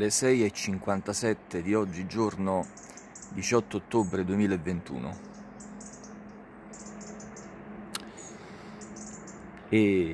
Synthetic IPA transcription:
lesɛjet͡ʃːiŋkwant̪asɛt̪ːed̪iɔd͡ʒːid͡ʒorno | d̪it͡ʃɔt̪ːoːt̪ːobɾed̪uemiːlevːent̪ṵːno̰ | e

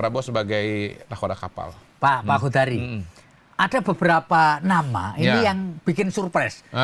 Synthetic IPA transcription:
əɾabsəbaɡajnakodakapa̰l | papakud̪aɾi | ʔadabəbəɾapanama̰inijaŋb̥ikɪnsurpɾɛs

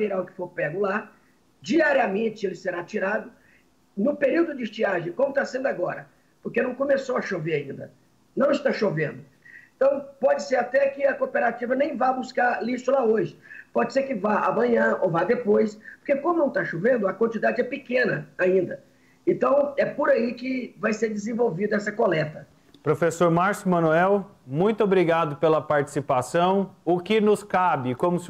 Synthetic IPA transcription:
viɾaʊkɪ̥foɾpɛɡʊla | d͡ʒiaɾiamẽt͡ʃɪelɪseɾat͡ʃiɾad̪ʊ | nʊpeɾiwd̪ʊd͡ʒɪɪst͡ʃiaʒẽj̃kõmʊt̪asẽnd̪ʊaɡɔɾɐ | poɾkenɐ̃w̃kõmesowɐʃoveɾaĩnd̪ɐ̰ | nɐ̃w̃ɪst̪aʃovẽnd̪ʊ | ẽt̪ɐ̃w̃pɔd͡ʒɪseɾat̪ɛkɪɐkopeɾat͡ʃivɐnẽj̃vajbuskaɾliʃʊlaoʒɪpɔd͡ʒɪseɾkɪvaa̰mɐ̃ɲɐ̃ovad̪epojspo̥ɾkekõmʊnɐ̃w̃t̪aʃovẽnd̪ʊɐkwɐ̃nt͡ʃid̪ad͡ʒɪɛpɪkẽnɐaĩnd̪ɐ | ẽnt̪ɐ̃w̃ɛpoɾaikɪvajseɾd͡ʒɪzẽvowvid̪ɐɛsɐkolɛt̪ɐ | pɾofesoɾmaɾsʊmɐ̃nuɛw | mũj̃t̪ʊobɾiɡad̪ʊpelɐpaɾt͡ʃi̥sipasɐ̃w̃ʊkɪnʊskabɪkõmʊs

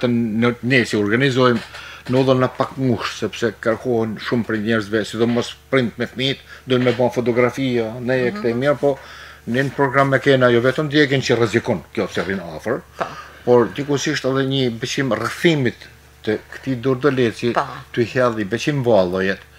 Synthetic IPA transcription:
t̪ɛnɛsiɔɾɡanizɔjmnuðˠɔnːəpakmuʃt̪sɛpsɛkəɾkɔhɛnʃumpɾɛɲɛɾzvɛsid̪ɔmɔspɾint̪̚mɛθmit̪d̪ɔjmɛbanfɔt̪̬ɔɡɾafianɛɛkt̪ɛmɛɾpɔnɛnpɾɔɡɾamɛkɛnajɔvɛt̪əmd̪jɛk̬ɛnt͡ʃərɛzikɔnkjɔpsɛrinafəɾpɔɾd̪ikusiʃt̪aðɛɲəbɛt͡ʃimrəθimit̪ː | əkə̥t̪id̪ɔɾd̪ɔlɛt͡sit̪yhɛlˠibɛt͡ʃimvalˠɔjɛt̪

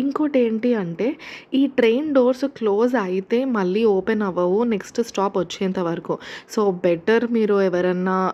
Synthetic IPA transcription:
iŋkoːʈe̞ːɳʈiɐɳʈe̞ːiːʈɾe̞ːnɖo̞ːɾskloːs̬ɐjit̪e̞ːmɐɭːiːoːpenɐʋɐʋuneksʈsʈaːpʋɐt͡ʃːeːnt̪ɐʋɐɾɐkusoːbeʈɐɾmiːɾuɛʋɐɾɐnːaː

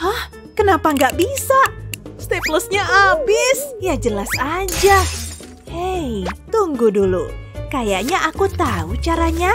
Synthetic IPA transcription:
hah | kənapaŋɡaʔbisaʔst̪epləsɲaʔabɪsjad͡ʒəlasad͡ʒa | ejt̪uŋɡudulṵkajaʔɲaʔakut̪aut͡ʃaɾaɲa

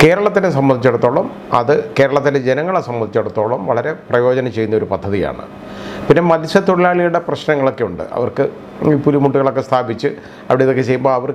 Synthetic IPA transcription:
ke̞ːɾɐɭɐt̪ːines̬ɐmbɐnit͡ɕːeɽut̪ːo̞ːɭɐm | ɐ̰ðɨke̞ːɾɐɭɐt̪ːined͡ʑenɐŋːɐɭesɐmbɐnd̪ʱit͡ɕːe̞ɽut̪ːo̞ːɭɐmʋɐɭɐɾe̞prɐjo̞ːd͡ʑɐnɐmt͡ɕe̞jːunːɐo̞ɾupɐd̪ʱːɐðija̰ːɳɨ̰ | pinːe̞mɐðiɕɐt̪oɽilaːɭijuɽe̞prɐɕnɐŋːɐɭo̞kːe̞uɳɖɨ̰ʔɐ̰ʋɐrkɨ | iːpulimuʈːuɣɐɭo̞kːe̞st̪ʰaːbit͡ɕːɨ | ɐʋiɽejɐðo̞kːet͡ɕe̞jumbo̞ːɐʋɐr

